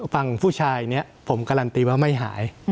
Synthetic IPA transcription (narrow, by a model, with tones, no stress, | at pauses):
fa˧ŋpʰuː˥˩t͡ɕʰaː˧jni˦˥˩ɐpʰo˩˦mka˧ɾa˧nt̪iː˧waː˦˥˩ma˥˩jɦa̰ː˩˦j